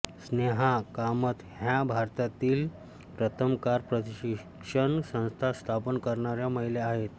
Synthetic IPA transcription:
sneɦakamət̪ɦjabʱaɾt̪at̪iːl | pɾət̪ʰəmkaɾpɾət̪iɕ | kʂəɳsə̃w̃st̪ʰast̪ʰapənkəɾɳaɾjaməɦileaɦet̪

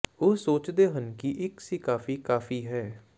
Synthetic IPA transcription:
oːsoːt͡ʃd̪eːɦənkiʔɪksikaːfiːkaːfiːɦɛː

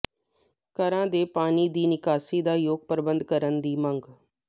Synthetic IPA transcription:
kəɾãːd̪eːpaːniːd̪iːnɪkaːsiːd̪aːjoːɡ̚pəɾbənd̪kəɾənd̪iːməŋɡ

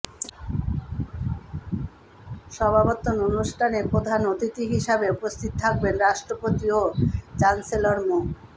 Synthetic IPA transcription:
ʃɔbʱabot̪ːononuʃʈʰanepɾod̪ʱanot̪it̪iɦiʃabeupost̪ʰit̪ot̪ʰak̚benɾaʃʈɾopot̪iot͡ɕanseloɾmuk

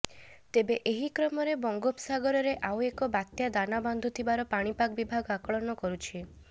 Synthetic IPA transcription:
t̪ebeʔeɦikɾɔmɔɾebɔŋɡopsaɡɔɾɔɾeʔawekɔbat̪jad̪anabɔnd̪ʱut̪ʰibaɾɔpaɽ̃ipaɡɔbibʱaɡɔakɔɭɔnɔkɔɾut͡ʃʰi

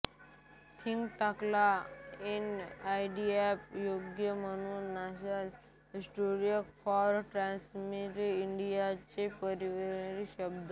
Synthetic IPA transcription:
t̪ʰĩŋɡʈaklainajɖiepjoːɡjəmənunasəl | isʈoɾiəkfʰɔɾʈɾãnsmiʈɪɳɖijat͡ɕepəɾiʋəɾnɾiʃəbd̪a

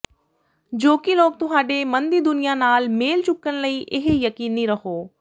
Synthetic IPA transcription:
d͡ʒoːkiloːk̚t̪ʊɦaːɖemɐnd̪id̪ʊnijanaːlmeːlt͡ʃʊkːənləiʔɪɦjɐkiːniɾəɦoː

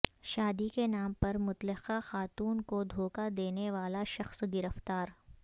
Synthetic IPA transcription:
ʃaːd̪ikenaːmpɐɾmʊt̪lɪxaxaːt̪uːnkod̪ʱoːkad̪eːneʋaːlaʃɐxsɡɪɾəft̪aːɾ

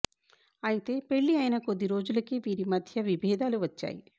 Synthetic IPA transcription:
ɐjit̪e̞ːpe̞ɭːiɐjnɐkod̪ːiɾo̞ːd͡ʒulɐkiʋiːɾimɐd̪ʱjɐʋibʱɛːd̪aːluʋɐt͡ʃːa̰ːjḭ

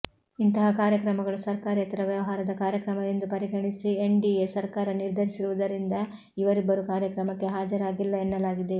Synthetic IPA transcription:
int̪ɐɦɐkaːɾjɐkɾɐmɐɡɐɭusɐɾkaːɾiɐt̪ɐɾɐʋjɐʋɐɦaːɾɐd̪ɐkaːɾjɐkɾɐmɐj̪end̪upɐɾiɡɐɳisieɳɖiesɐɾkaːɾɐniɾd̪ʱɐɾisiɾuʋud̪ɐɾind̪ɐ | iʋɐɾibːɐɾukaːɾjɐkɾɐmɐkːe̞ɦaːd͡ʒɐɾaːɡilːɐenːɐlaːɡid̪e̞

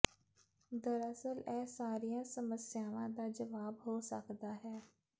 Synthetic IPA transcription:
d̪əɾəsəlɛːsaːɾijãːsəməsɪjaːʋãːd̪aːd͡ʒəʋaːbɦoːsə̰kd̪aːɦɛː

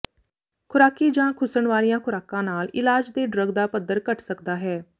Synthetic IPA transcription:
kʰʊɾaːkiːd͡ʒãːkʰʊsəɳʋaːlijãːkʰʊɾaːkãːnaːlɪlaːd͡ʒd̪eːɖɾəɡd̪aːpəd̪ːəɾkəʈʰsəkd̪aːɦɛː

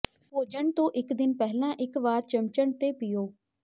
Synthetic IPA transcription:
poːd͡ʒəɳt̪õːʔɪkd̪ɪnpɛɦlãːʔɪkʋaːɾt͡ʃəmt͡ʃəɳt̪eːpɪjoː

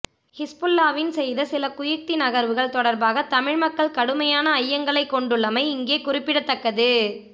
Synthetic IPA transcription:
hɪspʊlːaːʋɪnsɛjðɐsɪlɐkʊjɪk̚t̪inɐɣɐɾʋɯɣɐɭt̪ɔɽɐɾbaːɣɐt̪ɐmɪɻmɐkːɐɭkɐɽɯmɐjaːnɐːjːɐŋɡɐɭɐɪkːɔɳɖɯɭːɐmɐɪɪŋɡeːkʊrɪpːɪɽɐt̪ːɐkːɐðɯ

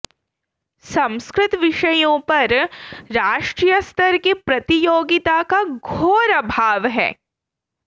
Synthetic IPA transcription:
sɐ̃mskɾɪt̪ʋɪʃɐjõpɐɾɾaːʃʈɾiːjəst̪ʰɐɾkipɾɐt̪ijoːɡɪt̪akaɡʱoːɾɐbʱaːʋɦɛ̰ː

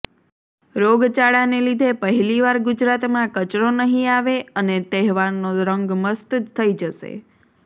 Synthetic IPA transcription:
ɾoɡt͡ʃaɭanelid̪ʱepəɦiliʋaɾɡʊd͡ʒɾat̪mãkət͡ʃɾonəɦĩaʋeənet̪ɛɦʋaɾnoɾəŋɡməst̪d͡ʒt̪ʰəid͡ʒəʃḛ

